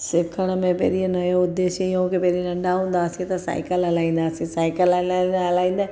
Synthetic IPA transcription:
sɪkʰːəɽ̃mẽpḛːɾienɐjoʊd̪ːeːʃəjõːkepeːɾinɐɳɖaɦõːnd̪aːsiet̪asa̰ːɪkəlalaːĩːnd̪aːsisaːɪkəllaːĩːnd̪aː

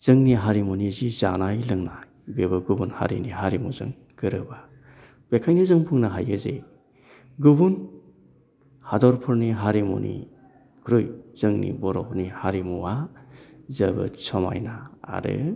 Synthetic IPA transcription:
z̥ɯŋniɦaɾimunizizanajlɯŋna | bebɯɡubunha̰ɾḭniɦaɾimuzɯ̰ŋ | ɡɯɾɯba | b̥ekʰajnɯzɯŋpʰuŋnaɦajɯzḛ | ɡubun | hadɔɾpʰɯɾniɦaɾimṵnḭ | kʰɾujz̥ɯŋnḭbɔɾɔk̚nihaɾimua | zɐbɯ̰sʰɔma̰jna̰ːɾɯ̰

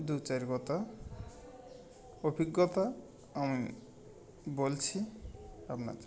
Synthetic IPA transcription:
d̪ut͡ʃaɾikɔt̪a | obʱiɡːɔt̪a | ami | bolt͡ɕʰiapna̰d͡ʒa

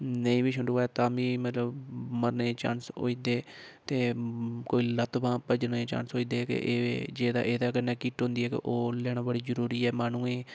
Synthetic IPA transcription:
nəĩːbiːʃʰʊɳɖuːɛːt̪ãːbĩːmət̪ləbməɾneːt͡ʃã̰ːnso̰ːiːd̪eːt̪eːkoːiːlət̪bãːpəd͡ʒneːt͡ʃã̰ːnsoːiːd̪eːkɪ̰ʔeːd͡ʒeːd̪a̰ːʔeːd̪aːkɪnːaːkiːʈɦõːnd̪iːɛːkḛʔoːlɛːɽ̃ãːbəɽiːd͡ʒəɾuːɾiːɛːmaːnũːeː

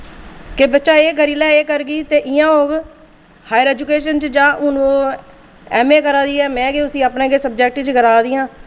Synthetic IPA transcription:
kebətːʃaːeːɡəɾiːlɛːeːkəɾɡiːt̪eːʔɪjãːɦoːɡ | haːjəɾɛːd͡ʒukeːʃənt͡ʃd͡ʒãːʔʊnoː | ɛːmeːkəɾaːd̪iːɛːmɛ̃ːɡeːʊsĩːapnẽːɡeːsəb̚d͡ʒɛːk̚ʈt͡ʃɡəɾaːd̪ijãː

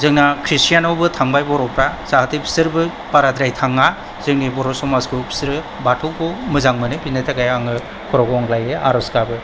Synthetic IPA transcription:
zɯŋnakʰɾisijanɔwbɯtʰaŋbajbɔɾɔpɾazaɦatɯpʰi̥sɯɾbɯ | paɾadɾajtʰaŋa | zɯŋnibɔɾɔsɔmaskɯpʰi̥sɾɯ | batʰɔkɔmɯzaŋmɯnɯpinɯtʰaɡajaŋɯ | kʰɔɾɔɡɔŋlajeʔa̰ɾɔskabɯ

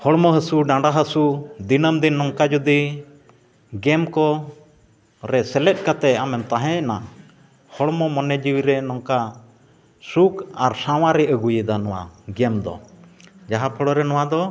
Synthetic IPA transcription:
hɔɽmɔɦəsuɖãɳɖaɦəsud̪inəmd̪inːɔŋkad͡ʒud̪i | ɡɛmkɔ | ɾɛsɛlɛt̪̚ˀkat̪ɛamɛmt̪aɦɛ̃ɛna | hɔɽmɔmɔnɛd͡ʒiwiɾɛnɔŋka | sukaɾsãwaɾɛəɡujəd̪anɔwa̰ɡɛmd̪ɔ̰d͡ʒaɦapʰɔɽɔɾɛnɔwad̪ɔ

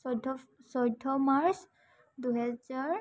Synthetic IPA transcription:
ɔdʱɔsɔjdʱːɔmaɹs | duɦɛzaɹ

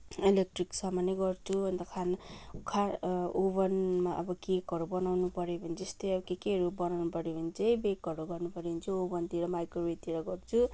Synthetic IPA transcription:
ilek̚ʈriksamʌneɡʌrt͡sʰuʌnt̪ʌkʰankʰaobʌnmaʔʌbʌkekʌɾubʌnawnupʌɾjebʱʌniest̪ojʌbʌkekeʌɾubʌnawnupʌɾjobʱʌnit͡sʰʌjbekʌɾuɡʌrnupʌɾobʌnt͡sʰʌobʌnt̪iɾʌmajkrobet̪iɾʌɡʌrt͡sʰu

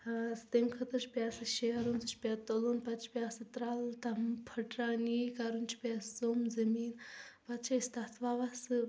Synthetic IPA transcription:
st̪emkʰɐt̪ɐt͡ʃʰpjasɨʃeɦɐɾonsɨt͡ʃʰpʲat̪olonpɐt̪t͡ʃʰi̥pʲjasɨt̪ɾalt̪ɐmpʰɐʈɾaːnikaɾunt͡ʃʰi̥pʲasomzɐmiːnpɐt̪t͡ʃʰaist̪at̪ʰʋaʋasɨ

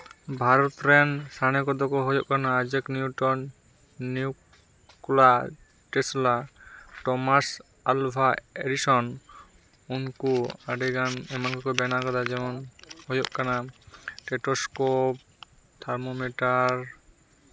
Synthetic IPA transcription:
bʱaɾɔt̪ɾɛnsañɛkɔd̪ɔkɔɦɔjɔʔkanaːd͡ʒəkniuʈɔnː | iu | kula | ʈɛslaʈɔmas | albʱaeɖisɔn | unkuaɖiɡanɛmankʰɔkɔbɛnakɔd̪ad͡ʒɛmɔnhɔjɔʔkanaʈɛʈɔskɔp̚ | t̪ʰaɾmomɛʈaɾ

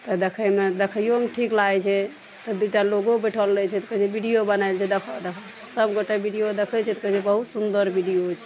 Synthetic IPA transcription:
t̪ɔd̪ekʰəmed̪ekʰəijomʈʰiklaɛt͡ʃʰɛ | t̪ɔd̪uʈaloɡobeʈʰəlːɛt͡ʃʰɛt̪kəd͡ʒebiɖijobənajlt͡ʃʰɛd̪ekʰd̪ekʰ | səbɡoʈebiɖijod̪ekʰɛt͡ʃʰɛt̪kət͡ʃʰɛbəɦut̪sund̪əɾbiɖijot͡ʃʰɛ̥

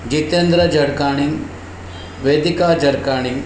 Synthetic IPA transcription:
d͡ʒit̪end̪ɾɐd͡ʒɐɽkaːɳ̃in | ʋeːd̪ikaːd͡ʒɐɽkaːɽ̃iŋ

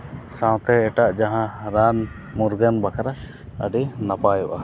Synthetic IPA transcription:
sãw̃t̪ɛɛʈaʔd͡ʒaɦãɾan | muɾɡənbakaɾa | əɖinapajuʔa

